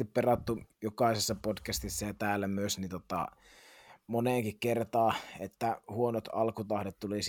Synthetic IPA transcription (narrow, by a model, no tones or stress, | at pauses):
ipperɑt̪ːujokɑˑisesːɑpodkæst̪isːæjɑt̪æːlːæmyøsnint̪ot̪ɑ̰ | moneˑŋkikkert̪ɑːet̪ːæhuonot̪ɑ̰lkut̪ɑhdet̪t̪ulis